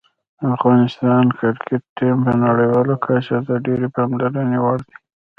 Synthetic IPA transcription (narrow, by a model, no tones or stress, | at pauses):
afɣɑnɪst̪ɑnkɪɾkʰeʈːimpənaɽəjwɑlokʰaʃat̪aɖeɾepɑmlaɾanewaɽd̪i̥